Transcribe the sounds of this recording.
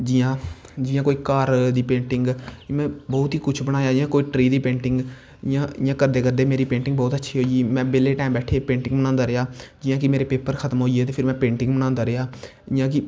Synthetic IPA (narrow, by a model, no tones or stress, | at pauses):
d͡ʒɪjãː | d͡ʒɪjãːkoːiːkaːɾd̪iːpẽːɳʈɪŋɡmɛ̃ːbɔːt̪ɦiːkʊt͡ʃʰbəɽ̃aːjaːd͡ʒɪjãːkoːiːʈɾiːd̪iːpẽːɳʈɪŋɡ | ɪjãːɪjãːkəɾd̪eːkəɾd̪eːmeːɾiːpẽːɳʈɪ̃ŋɡbɔːt̪ətːʃʰiːɦoːiiːmɛ̃ːbeːleːʈaːmbɛːʈʰeːepẽːɳʈɪ̃ŋɡbənãːnd̪aːɾɪjaːd͡ʒɪjãːkɪmeːɾeːpeːpəɾkʰət̪mɦoːieːt̪eːpʰɪɾmɛ̃ːpẽːɳʈɪ̃ŋɡbənãːnd̪aːɾɪaː | ɪjãːk̬ɪ